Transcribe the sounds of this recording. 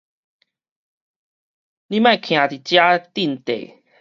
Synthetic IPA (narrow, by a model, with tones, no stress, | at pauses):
nĩ˦mã˥˧˨kʰj̃ã˨˩t̪i˨˩t͡ɕja˦t̪i˥˧˨nt̪ḛ˨˩˨